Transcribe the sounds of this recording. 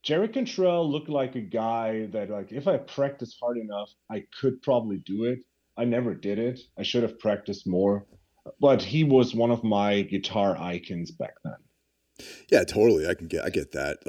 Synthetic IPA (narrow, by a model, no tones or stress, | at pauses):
d̥ʒ̥ɛɹikɨ̃ntʰɹ̥ɛlˠlʊk̚tˡlaɪkɨɡaɪðɨt̚ˡlaɪkɨfaɪpʰɹ̥æk̚tɨst̚hɑɹɾɨnʌf | aɪkʰɨd̚pʰɹ̥ɑbəblidɨɪt | aɪnɛvə˞dɪɾɪtaɪʃʊɾɨv̥pʰɹ̥æk̚tɨst̚mɔɹ | b̥ʌt̚hiwʌzwʌ̃nʌvmaɪɡɨtʰɑɹʔa̰ɪkʰɨ̃nzbæ̰k̚ðə̰̃n | jætʰoʊɾl̩ˠiaɪkn̩ɡɛɾʔa̰ɪɡɛt̪̚ðæ̰t̚